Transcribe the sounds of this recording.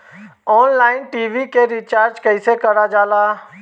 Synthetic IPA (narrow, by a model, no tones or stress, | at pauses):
ɔːnlaːɪnʈiːʋikeɾit͡ʃaːɾd͡ʒkəɪsekɐɽad͡ʒaːlaː